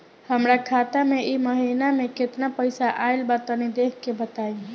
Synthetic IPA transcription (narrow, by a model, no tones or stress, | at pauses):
həmɾakʰat̪ameʔiməɦinameket̪napəjsaʔajlbat̪ənid̪ekʰkːebət̪aj